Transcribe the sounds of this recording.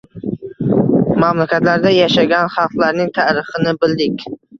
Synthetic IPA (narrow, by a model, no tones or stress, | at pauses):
mamlakʲʰat̪laɾd̪ajaʃaɡʲanχɑlˠqlaɾnɪŋt̪ʰaɾɪχɪnɪbɪld̪ɪkʲ